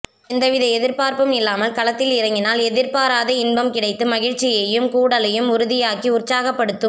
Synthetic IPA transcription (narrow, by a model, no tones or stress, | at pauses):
ɪnd̪ɐʋɪðɐɛðɪɾpaːɾpɯmɪlːaːmɐlkɐlɐt̪ːɪlɪɾɐŋɡɪnaːlɛðɪɾpaːɾaːðɐɪnbɐmkɪɽɐɪt̪ːɯmɐɣɪɻt͡ʃːɪjɐjɯmkuːɽɐlɐjɯmʊɾʊðɪjaːkiʊrt͡ʃaːɣɐpːɐɽɯt̪ːɯ